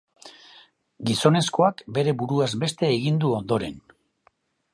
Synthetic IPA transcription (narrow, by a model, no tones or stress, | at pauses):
ɡiso̞ne̞sko̞akbe̞ɾe̞buɾuazbe̞st̪e̞ːɣind̪uo̞nd̪o̞ɾe̞n